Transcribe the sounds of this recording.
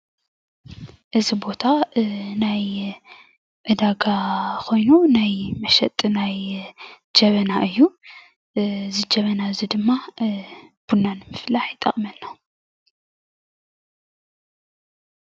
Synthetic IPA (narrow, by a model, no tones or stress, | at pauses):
ʔɨzibo̞t̪ʰanaj | ʔɨd̪aɡakʰo̞jnunajmɐʃɛt̪ʼnaj | d͡ʒɐβɐnaʔɨjːu | zɨd͡ʒɐβɐnaɨzid̪ɨmːa | b̥unːanɨmɨflaħjɪt̪ʼːɐχʼmɐnːa